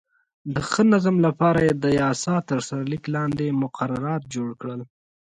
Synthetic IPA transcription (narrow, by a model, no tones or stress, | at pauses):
d̪əxənazamlapɑɾajed̪əjɑsɑt̪əɾsaɾliklɑnd̪emʊqʰaɾaɾɑt̪̚d͡ʒoɽkɽəl